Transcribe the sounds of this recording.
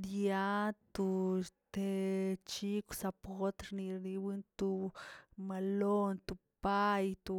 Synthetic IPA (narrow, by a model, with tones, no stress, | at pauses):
d̪ja˦t̪u˧t̪e˧t͡ʃi˦ksa˧pɣo˦t̪ɾni˧ɾni˧wɨ˦nt̪u˧ma˧lo˦nt̪u˧ | pa˦jt̪u˧